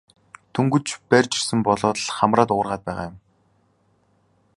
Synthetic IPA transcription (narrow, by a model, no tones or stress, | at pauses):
t̪ʰuŋɡɵ̆t͡ɕpærʲt͡ɕɪ̥̆r̥sɘ̆mpɔɮɔːt̪̆ɮχamraːt̪ʊ̆ːrʁaːt̪̚pæːʁaːjʊm